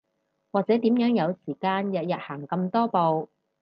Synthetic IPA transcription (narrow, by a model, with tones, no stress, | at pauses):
waː˨k̚t͡sɛː˨˥t̪iː˨˥mjœː˨˥ŋjɐ˨˧wsiː˨˩kaː˧njɐ˨t̚jɐ˨t̚haː˨˩ŋkɐ˧mt̪ɔː˥po˨˧w